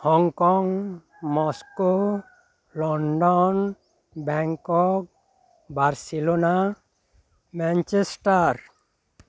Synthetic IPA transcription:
hɔŋkɔŋ | mɔsko | lɔɳɖɔn | bɛŋkɔk̚ | baɾsilona | mɛnt͡ʃesʈaɾ

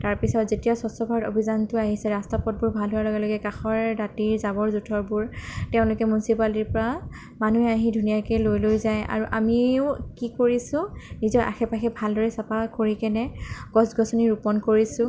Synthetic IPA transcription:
taɹpisɔtzetijasɔsɔbʱaɹɔtobʱizantʊaɦisɛɹastapɔt̚bʊɹbʱalɦʊwalɔɡɛlɔɡɛkaxɔɹdatiɹzabɔɹzutʰɔɹbuɹtɛʊ̃lʊkɛmunsipaliɹpɔɹa | manuɛaɦidʱunijakɛlojlojzaja̰ɹuʔa̰miʊkikoɹisʊ̃nizɔɹʔa̰xɛpaxɛbʱaldɔɹɛsapakoɹikɛnɛɡ̥ɔsɡɔsɔniɹupɔnkoɹisʊ̃

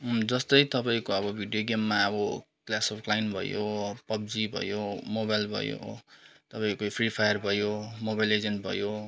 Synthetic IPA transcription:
d͡zʌst̪ʌjt̪ʌpaĩkoʌbʌbʱiɖijoɡemːaʌbʌ | klasʌpʰklainbʱʌ̰jopʌb̚d͡zibʱʌ̰jomobajlbʱʌ̰jo̰t̪ʌpaĩkopʰripʰajʌrbʱʌjomobajled͡zeɳʈbʱʌ̰jo

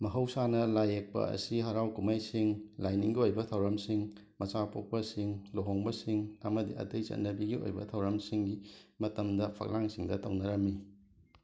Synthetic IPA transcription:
mɐɦɐwsanɐlajek̚pɐ̰ɐ̰siɦɐɾawkumajsiŋlajniŋɡiojbɐtʰɐwɾɐmsiŋ | mɐt͡ʃapʰo̰k̚pɐsiŋloɦoŋbɐsiŋɐmɐdiɐ̰tɐjt͡ʃɐ̰ndɐbiɡio̰jbɐ̰tʰɐwɾɐmsiŋɡimɐtɐmdɐpʰɐ̰k̚laŋsiŋdɐtɐwnɐɾɐmːi

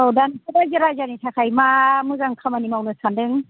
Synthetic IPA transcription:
owdansʰɯdajzɯɾajzanitʰakʰajmamɯzaŋkʰamanimawnɯsandɯŋ

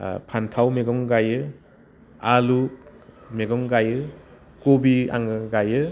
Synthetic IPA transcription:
pʰantʰawmeɡɔŋɡajɯ | alukmeɡɔŋɡajɯ | kobia̰ŋɯɡajɯ

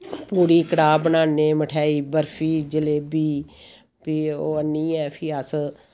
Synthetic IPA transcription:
puːɾiːkəɽaːbənaːneːməʈʰaːiːbəɾfʰiːd͡ʒəleːbiː | piːoːənːiːɛːpʰiːəs

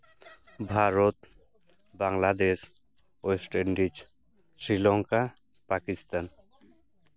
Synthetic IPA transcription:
bʱaɾot̪ | baŋlad̪eʃ | osʈeɳɖit͡ʃ | sɾilɔŋka | pakist̪an

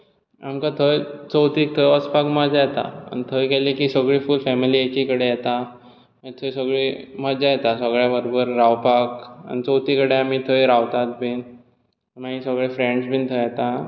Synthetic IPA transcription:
a̰mkat̪ʰəjt͡səwt̪iːt̪ʰəjəspakməd͡zajɛt̪a̰a̰nit̪ʰəjkɛlikisəɡɭiːfulfɛmiliːekikəɽejɛt̪a | mət̪ʰəjsəɡɭiːməd͡ʑajɛt̪asəɡɭjabəɾobəɾːawpaka̰ñit͡səwt̪ʰiːkəɽeamit̪ʰəjɾawt̪at̪̚bʱiːn | maɦisəɡɭefɾẽɳɖsbʱiːnt̪ʰəjjɛt̪a

